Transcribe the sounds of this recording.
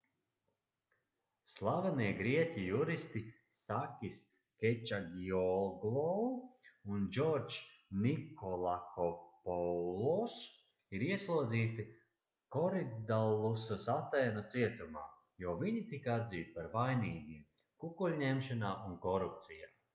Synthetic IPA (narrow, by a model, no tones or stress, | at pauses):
slˠavɛniɛɡɾiɛcʲijuɾist̪i | sakʲis | kʲɛt͡ʃaɡiɔlɡlˠɔ | und͡ʒɔɾt͡ʃnikɔlˠakɔpɔlˠɔs | iɾiɛslˠuɔd̪ziːt̪i | kɔɾid̪alˠusasat̪ɛːnat̪siɛt̪uma̰ː | juɔviɲit̪ikad̪ziːt̪̚paɾvajniːɡim | kukulʲɲemʃanaːʔunkɔɾup̚t̪sija̰ː